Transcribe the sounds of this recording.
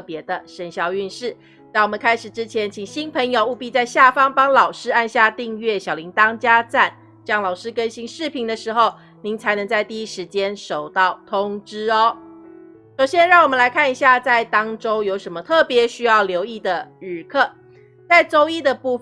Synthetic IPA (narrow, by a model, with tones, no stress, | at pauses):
pjɛ˧˥d̪ə˨ʂə˧˥nɕjɑ˨˩ʊy˥˧nʂɻ̩˥˩ | t͡sa˥˩wɔ˨˩mə˨˦ŋkʰa˥ɪʂɻ̩˨˩ʈ͡ʂɻ̩˦˥t͡ɕʰjɛ˧˦nt͡ɕʰi˨˩ŋɕi˥npʰə˧˥ŋjo˨˧ʊu˥˧pi˥˧t͡sa˥˧ɪɕja˥˩fɑ˥ŋpɑ˥ŋlɑ˨˩ʊʂɻ̩˥a˥˧nɕja˥˧t̪i˥˧ŋɥɛ˥˩ɕjɑ˨˩ʊli˨˧˥ŋt̪ɑ˥ŋt͡ɕja˥t͡sa˥˩n | t͡ɕjɑ˥˩ŋlɑ˨˩ʊʂɻ̩˥kə˥nɕi˥ŋʂɻ̩˥˩pʰi˧˥ŋd̪ə˨ʂɻ̩˧˥xo˥˩ʊ | ni˧˥ŋt͡sʰa˧˥ɪnɤ˧˥ŋt͡sa˥˧ɪt̪i˥˩i˥ʂɻ̩˧˥t͡ɕjɛ˥nʂo˨˩ʊt̪ɑ˥˩ʊt̪ʰʊ˦˥ŋʈ͡ʂɻ̩˥ɔ˦ | ʂo˨˩ʊɕjɛ˥nɻɑ˥˩ŋwɔ˨˩mə˨˦nla˧˥ɪkʰa˥˩ni˧˩ɕja˥˧t͡sa˥˩ɪt̪ɑ˥ŋʈ͡ʂo˥ʊjo˧˥ʊʂə˧˥nmə˧t̪ʰɤ˥˩pjɛ˧˥ɕy˥jɑ˥˩ʊljo˧˥ʊi˥˩d̪ə˩ɻ̩˨˩kʰɤ˥˩ | t͡sa˥˩ɪʈ͡ʂo˥ʊi˥d̪ə˨pu˥˧